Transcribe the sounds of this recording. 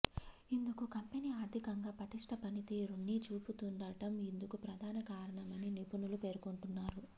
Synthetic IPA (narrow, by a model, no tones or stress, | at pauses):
ind̪ukukɐmpeniːaːɾd̪ʱikɐŋɡaːpɐʈiʂʈɐpɐnit̪iːɾuɳːit͡ʃuːput̪uɳɖaːʈɐmind̪ukupɾɐd̪ʱaːnɐkaːɾɐɳɐmɐninipunulupe̞ːɾukoɳʈunːaːɾu